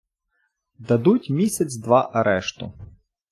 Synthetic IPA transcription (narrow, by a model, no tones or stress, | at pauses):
d̪ɐd̪utʲmʲisʲɐt͡sʲd̪ʋɑʔɐɾɛʃt̪ʊ̰